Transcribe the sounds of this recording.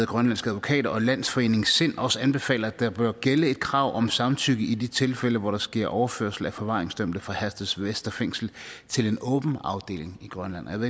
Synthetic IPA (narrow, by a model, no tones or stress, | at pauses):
ð̩ˠɡ̥ʁɶnlæn̰sɡ̥æðˠʋo̝kʰɛ̰ːɾɐɒ̽læn̰sfɒ̽e̝̰ːne̝ŋsen̰ɒ̽səænb̥e̝fɛ̰ːlɐæd̥ɑ̈b̥ɶɐɡ̥eləe̝d̥̚kʰʁɑ̈ʊ̰ʔɒ̽msɑ̈mt͡sʰyɡ̥əid̥it͡sʰe̝lfeləʋɒɾ̥ɑ̈sɡ̥e̝ɐ̰ʔɒʊɐfø̰ɐ̰sl̩æfɒ̽ʋɑ̈ːʁeŋsd̥øm̰bd̥ð̩fʁɑ̈hæsd̥ð̩ˠsʋesd̥ɐfeŋ̰sl̩t͡sʰe̝le̝nɔ̽ːb̥n̩ɑ̈ʊd̥e̝̰ːle̝ŋiɡ̥ʁɶnlæn̰jæḛ